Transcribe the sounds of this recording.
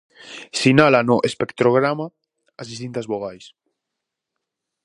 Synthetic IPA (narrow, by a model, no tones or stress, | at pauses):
sinalanoʔespekt̪ɾoɣ̞ɾamaː | zðist̪int̪azβoɣajs